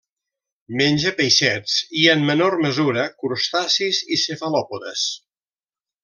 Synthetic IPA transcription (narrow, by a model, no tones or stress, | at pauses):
menʲʒəpəjʃɛt͡siəmːənorməzuɾəkuɾust̪asizisefəlɔpoðəs